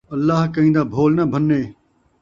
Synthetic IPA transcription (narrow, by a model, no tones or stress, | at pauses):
əlːaːɦkəɦĩːd̪aːbʱoːlnaːbʱənːeː